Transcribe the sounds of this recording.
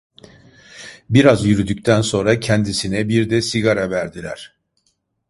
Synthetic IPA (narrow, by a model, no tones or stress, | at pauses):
biɾazjyɾyd̪yc̚ʲt̪ʰænso̞nɾacʰɛnd̪isinɛbiɾd̪ɛsiɡaɾavæɾd̪ilʲæ̰ɾ̥